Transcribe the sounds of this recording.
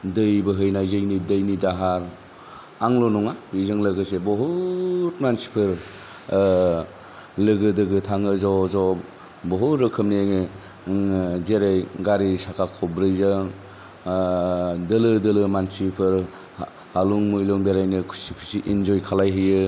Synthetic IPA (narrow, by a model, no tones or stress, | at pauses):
dɯjbɯɦɯjnajzɯjnidɯjnidaɦaɾ | aŋlɔnɔŋaizɯŋlɯɡɯsebɔɦutmansi̥pʰɯɾ | lɯɡɯdɯɡɯtʰaŋɯzawzɔ | bɔɦuɾɯkʰɯmneŋe | zeɾejɡaɾisakʰakʰɔbɾɯjzɯŋ | dɐlɯdɐlɯmansipʰɯɾ | haluŋmujlɔŋbeɾajnɯkʰusikʰusiʔind͡ʒɔjkʰalajɦɯjɯ